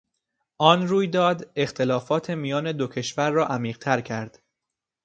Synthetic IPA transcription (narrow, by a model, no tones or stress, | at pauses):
ʔɒnruːjd̪ɒːd̪e̞xt̪ʰelɒːfɒːt̪ʰe̞mijɒːne̞d̪ocʰe̞ʃvæɾːɒːʔæmiːʁt̪ʰæɾcʰæɾd̪̥